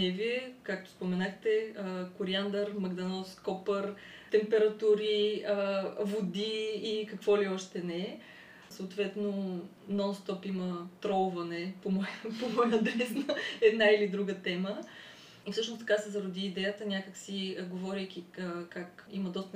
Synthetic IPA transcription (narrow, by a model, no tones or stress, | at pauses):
nɛviɛkak̚t̪o̥spomɛnaxt̪ɛəkʊɾiand̪əɾmɐɡd̪ɐnɔskɔpəɾ | t̪ɛmpɛɾɐt̪uɾiəvod̪iːkɐkvɔliɔʃt̪ɛnɛɛ | səot̪vɛt̪no | nɔnst̪ɔpimət̪ɾɔlvɐnɛpomɔjpomɔjnɐd̪ɛsnəɛd̪nailid̪ɾuɡət̪ɛmə | ifsɤʃnost̪ɐ̥kasɛzɐɾod̪iːd̪ɛjət̪ənʲakəksiɡovɔɾʲəjk̟ʲiəkakḭməd̪ɔst̪